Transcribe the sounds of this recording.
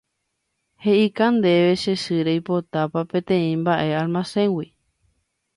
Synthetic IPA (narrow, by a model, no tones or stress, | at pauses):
he̞ʔikand̪e̞ʋe̞ʃe̞ʃɨɾejpot̪apapẽ̞t̪ẽ̞ĩmbaʔe̞almãsẽ̞ŋwi